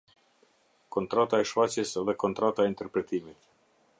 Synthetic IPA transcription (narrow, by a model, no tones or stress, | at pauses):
kɔnt̪ɾat̪aɛʃfat͡ɕjɛsɛðɛkɔnt̪ɾat̪aɛint̪ɛɾpɾɛt̪imit̪